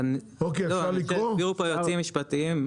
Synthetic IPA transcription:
n | okeloaliʁoviʁupojot͡simiʃpat̪iim

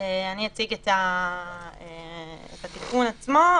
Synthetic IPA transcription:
eaniat͡siɡet̪a | eḛt̪at̪ikunat͡smo

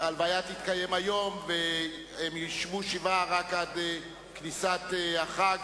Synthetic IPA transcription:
alvajat̪it̪kajemajo̞mve | emjiʃmuʃivaʁakad̪e | knisat̪eaχaɡ

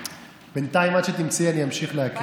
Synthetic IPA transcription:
b̥entaimad̪ʃet̪imt͡sianiamʃiχleɦak

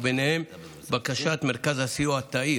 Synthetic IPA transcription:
benehem | bakaʃat̪meʁkazhasijuat̪ːai

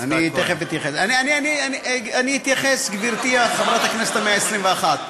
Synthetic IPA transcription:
anit̪ːeχefit̪jaχesanianianianianihit̪jaχesɡviʁt̪iaχavʁat̪hakneset̪ameaesʁimveaχat̪

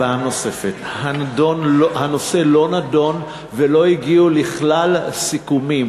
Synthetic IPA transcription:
aamno̞se̞fet̪handonhano̞se̞lo̞nado̞n | velo̞iɡiuliχlalsikumim

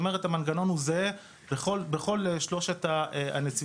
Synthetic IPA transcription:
meʁetamanɡano̞nhuze | beχolbeχo̞leʃlo̞ʃetaa̰net͡si

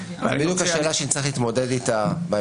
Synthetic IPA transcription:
bidukaʃeːlaʃeit͡sʁiχlit̪mo̞dedit̪aba

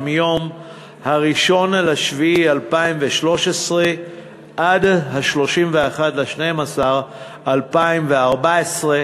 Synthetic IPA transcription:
mjo̞m | haʁiʃo̞nalaʃviialpaimveʃlo̞ʃesʁe | ʔad̪haʃlo̞ʃimveaχat̪leʃnejmasaʁ | alpaimveaʁbaesʁe

